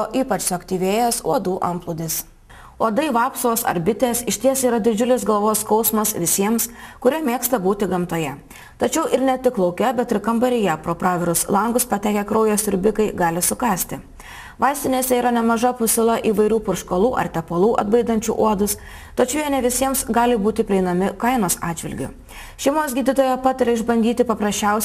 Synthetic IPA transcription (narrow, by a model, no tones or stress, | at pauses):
oːʔiːpɐt͡ʃsʊɐkt̪ʲiːʋʲeːjɛsuɔd̪uːʔɐmplˠʊːd̪ʲɪs | uɔd̪ɐɪʋɑːpsoːsɐ̰ɾbʲɪt̪ʲeːsɪʃʲt̪ʲiɛsiːɾɐd̪ʲɪd͡ʒʲʊlʲɪsɡɐlˠʋoːskɒʊsmɐsʋʲɪsʲiɛmskʊɾʲiɛmʲeɛkst̪ɐbuːt̪ʲɪɡɐmt̪oːjɛ | t̪ɐt͡ʃʲɛʊʔɪɾnʲɛt̪ʲɪklˠɒʊkʲɛbʲɛt̪ɪɾkɐmbɐɾʲɪjɛpɾoːpɾɑːʋʲɛɾʊslˠɐŋɡʊspɐt̪ʲæːkʲɛkɾɔʊjoːsɪɾʲbʲɪkɐɪɡɑːlʲɪsʊkɑːsʲt̪ʲɪ | ʋɐɪsʲt̪ʲɪnʲeːsʲɛiːɾɐnʲɛmɐʒɐpʊsʲɪlˠɐʔiːʋɐɪɾʲuːpʊɾʃkolˠuːʔɐ̰ɾt̪ʲɛpolˠuːʔɐ̰d̪bɐɪd̪ɐnʲt͡ʃʲṵʔuɔd̪ʊs | t̪ɐt͡ʃʲɛʊjɛnʲɛʋʲɪsʲiɛmsɡɑːlʲɪbuːt̪ʲɪpʲɾʲɪɛɪnɐmʲɪkɐɪnoːsɑːd͡ʒʲʋʲɪ̰lʲɡʲʊ̰ | ʃʲɛɪmoːsʲɡʲiːd̪ʲɪt̪oːjɛpɑːt̪ɐɾʲɛɪʒbɐnʲd̪ʲiːt̪ʲɪpɐpɾɐsʲt͡ʃʲɛʊs